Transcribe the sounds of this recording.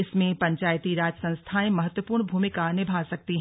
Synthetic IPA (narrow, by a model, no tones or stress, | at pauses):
ɪsmẽpɐ̃ɲt͡ʃaːjt̪iɾaːd͡ʒəsɐ̃st̪ʰaẽmɐɦət̪wəpuːɾɳbʱuːmɪkanɪbʱaːsɐk̚t̪iɦ